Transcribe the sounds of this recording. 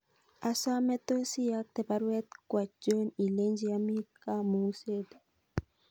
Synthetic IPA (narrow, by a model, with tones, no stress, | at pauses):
a˨sa˦me˦t̪o˦si˦ja˦k̚t̪e˨pa˦ɾwɛ˦t̪kwa˨d͡ʒo˦ni˨le˦nd͡ʒi˦a˦mi˦ka˦mu˨˦se˦d̪ḁ˨